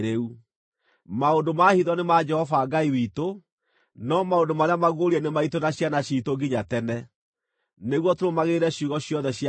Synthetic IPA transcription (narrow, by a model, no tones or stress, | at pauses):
ɾeu | maondomahiðɔnemad͡ʒɛhɔfaːɡaiwiːto | nɔmaondomaɾeamaɣoɾiɛnemaitonaɕjanaɕiːtoɡiɲatɛnɛ | neɣwɔtoɾomaɣeɾɛɕuːɣɔɕjɔðɛɕia